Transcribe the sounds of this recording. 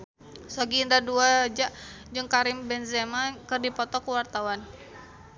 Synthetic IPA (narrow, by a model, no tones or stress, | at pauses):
soɡiːndaduad͡ʒaʔd͡ʒɨŋkaɾɪmbɛnzɛmakɨrdipɔt̪ɔkuwart̪awan